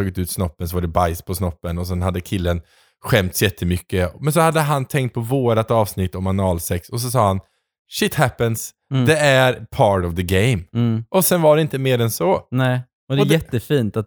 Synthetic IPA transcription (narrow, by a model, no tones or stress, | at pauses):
oːɡɪt̪ʉ̟ːt̪snɔpːənsɔvaɖɛbajspʰɔsnɔpːənɔs̬ɛnhad̪ːəkʰɪlːən | ɧɛmt̪sjɛt̪ʰːəmʏkːəmɛns̬ɔhad̪ːəɦant̪ʰɛŋkt̪̚pʰɔvoːɾat̪ɑːvsnɪt̪ːɔmanɑːlsɛksɔs̬ɔsɑːhan | ʃɪt̪hæpəns | d̪ɛæɾpʰɑːɾʈɔvðəɡeɪmʔɔsɛnvaɖɛɪnt̪əmeːɾɛnsɔnɛ | ɔd̪ɛɔjjɛt̪ːəfiːnt̪at̪